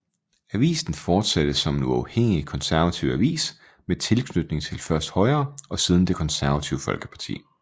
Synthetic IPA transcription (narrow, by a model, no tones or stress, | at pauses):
æʋḭːsn̩fɒːd̥sæd̥əsɒ̽menuɑ̈ʊheŋ̰ikʰɒ̽nsæɐʋæt͡sʰiʊ̰æʋḭːs | met͡sʰe̝lkʰnød̥ne̝ŋt͡sʰe̝lfɶɐsd̥hɒ̽ɪɐːɒ̽siːð̞ˠn̩d̥e̝kʰɒ̽nsæɐʋæt͡sʰiʊfɒ̽lɡ̥ə̥pʰɑ̈t͡sʰḭː